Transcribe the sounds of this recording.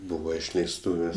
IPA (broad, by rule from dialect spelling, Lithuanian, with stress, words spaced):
ˈbuːʋɐ ɪʃʲlʲɛɪsˈtuːʋʲeːsʲ